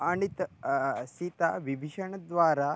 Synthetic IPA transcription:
aɽ̃it̪sit̪aʋibʱiʂəɳəd̪ʋaɾa

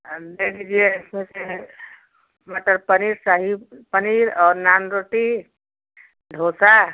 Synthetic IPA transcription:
d̪eːkʰd͡ʒieɪsmese | məʈəɾpəniːɾsaːɦipəniɾɔːɾnaːnɾoːʈi | ɖʱoːsa

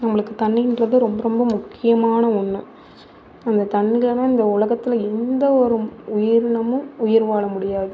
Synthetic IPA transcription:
nɐmːɐɭɯkːɯt̪ɐɳːɪɪndrɐðɯɾɔmbɐɾɔmbɐmʊkʰːɪjɐmaːnɐʊɳːɯ | ɐnd̪ɐt̪ɐɳːɪɣɐlɐnãːɪnd̪ɐʊlɐɣɐt̪ːɪlɐɛnd̪ɐɔɾɯʊjɪɾɳɐmɯ̃mʊjɪɾʋaːɭɐmʊɽɪjaːðɯ

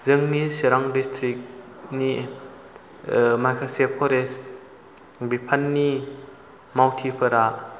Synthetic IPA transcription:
zɯŋniseɾaŋdistʰɾik̚ | ni | majkʰaseppʰɔɾest̚ | bipʰanːi | mawtʰipʰɯɾa

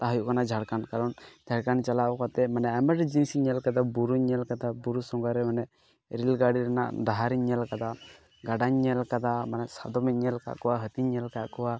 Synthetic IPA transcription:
t̪aɦəjuʔkanad͡ʒʱaɽkankaɾɔnd͡ʒʱaɽkant͡ʃalabɔkat̪ɛmanɛʔɛmɛʈd͡ʒinsiɲɛlkad̪abuɾuɲɛlkad̪abuɾusɔŋɡaɾɛmanɛʔ | ɾilɡaɽiɾɛna̰ʔd̪aɦaɾiɲːɛlkad̪a | ɡaɖaɲːɛlkad̪amanɛʔsa̰d̪ɔmɛt̪̚ɲɛlka̰ʔkɔwaɦət̪iɲɛlkaʔkɔwa

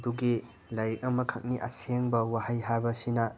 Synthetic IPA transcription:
duɡi | lajɾik̚ɐmɐkʰɐk̚niʔɐ̰seŋbɐwahajɦaɾbɐsinɐ

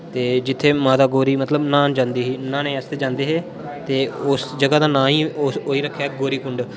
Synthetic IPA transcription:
t̪eːd͡ʒɪt̪ʰːeːmaːt̪aːɡoːɾiːmət̪ləbnãːnd͡ʒãːnd̪iːɦiːnãːnẽːɛːst̪eːd͡ʒãːnd̪eːɦeː | t̪eːʊsd͡ʒəɡaːd̪ãːnãːɦĩːoːiːɾəkʰːɛːɡoːɾiːkʊɳɖ

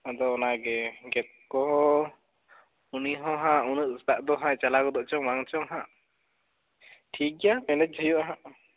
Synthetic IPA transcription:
ad̪ɔːnaɡɛɡɛt̪̚kɔ | uniɦɔ̃ɦãʔunuʔst̪aʔd̪ɔɦãt͡ʃalakɔd̪ɔʔt͡ʃɔŋmaŋt͡ʃɔŋɦãʔ | ʈʰik̚amɛnɛt̪̚d͡ʒʱɔjuʔaɦãʔ

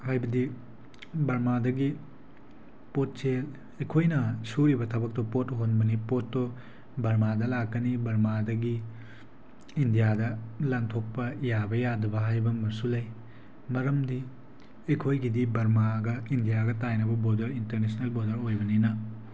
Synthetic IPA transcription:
hajbɐdi | bɐɾmadɐɡi | pot̚t͡ʃel | ejkʰojnɐsuɾibɐtʰɐbɐk̚tɔpotɦonbɐnipotːo | bɐɾmadɐlakːɐnibɐɾmadɐɡi | indijadɐlaŋtʰok̚pɐjabɐjadɐbɐɦajbɐmɐɾsulɐj | mɐɾɐmdi | ejkʰojɡidibɐɾmaɡɐindijaɡɐtajnɐbɐbodɐɾintɐɾnesnelbodɐɾojbɐninɐ

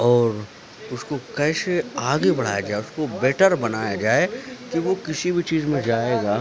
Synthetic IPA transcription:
ɔːɾ | ʊskokɛːseaːɡebɐɽ̤a̰ːjad͡ʒaːeʊskobɛːʈəɾbɐnaːjad͡ʒaːekiʋokɪsibʱit͡ʃiːzmẽd͡ʒaːeːɡaː

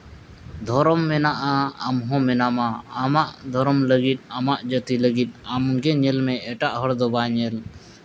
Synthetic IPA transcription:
d̪ʱɔɾɔmːɛnaʔaəmɦɔ̃mɛnamaamaʔd̪ʱɔɾɔmləɡit̪̚amaʔd͡ʒət̪iləɡit̪̚ˀamɡɛɲɛlmɛ̃ɛʈaʔɦɔɽd̪ɔbaɲɛl

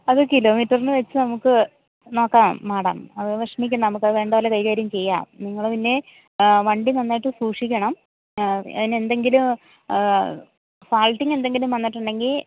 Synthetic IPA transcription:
ɐðɨkilo̞ːmiʈːɐrnɨʋet͡ɕːɨnɐmukːɨ | no̞ːkːaːmːaːɽɐ̰mɐðɨʋɐʂɐmik̬ʲːunːɐnɐmukːɐðɨʋe̞ːɳɖɐʋɐlːɐkɐjkaːɾjɐmt͡ɕe̞jːa̰ːmniŋːɐɭepinːe̞ | ʋɐɳɖinɐnːaːjiʈːɨsuːkʂikʲːɐɳɐm | ɐ̰ðine̞nd̪e̞ŋɡilum | saːlʈːiŋe̞nd̪e̞ŋɡilumɐnːiʈːuɳɖe̞ŋɡil

